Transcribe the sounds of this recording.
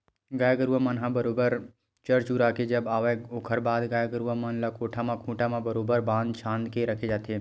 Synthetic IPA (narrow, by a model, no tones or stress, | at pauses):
ɡaːjɡəɾuʋamɐnɦãbəɾoːbəɾ | t͡ʃəɾt͡ʃuɾaːked͡ʒəbaːʋeoːkʰəɾbaːd̪ɡaːjɡəɾuʋamənlɐkoːʈʰamãkʰũːʈamãbəɾoːbəɾbãːnd̪t͡ʃʰãːnd̪keɾɐkʰed͡ʒaːt̪e